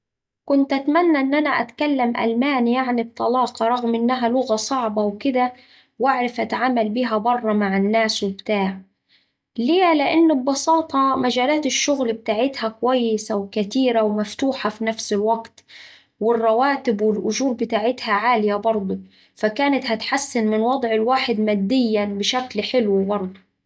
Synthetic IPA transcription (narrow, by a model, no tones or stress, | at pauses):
kʊnt̪ʔat̪manːaʔɪnːʔanaʔa̰t̪kalːamʔa̰lmaːnjaʕnib̚t̪ˤɑlɑːqɑɾˤɑɣmʔɪnːaɦalʊɣasˤɑʕbawkɪd̪a | waʕɾˤafʔat̪aʕaːmalbiːɦabɑrˤːɑmaʕɪnːaːswɪbt̪aːʕ | leːlɪʔɪnːɪbːɑsˤɑːt̪ˤɑmad͡ʒaːlaːt̪ɪʃːʊɣlbɪt̪aːʕɪt̪hakʊwajːɪsawkat̪iːɾawmaft̪uːħafinafsɪlwaɡt̪ | wɪrˤːɑwaːt̪ɪbwɪlʔʊʒuːɾbɪt̪aːʕɪt̪haʕaːlɪjabɑɾˤd̪ˤu | fakaːnat̪hat̪ħasːɪnmɪnwɑd̪ˤʕɪlwaːħɪd̪maːd̪ːɪjːabɪʃaklħɪlwbɑɾˤd̪ˤu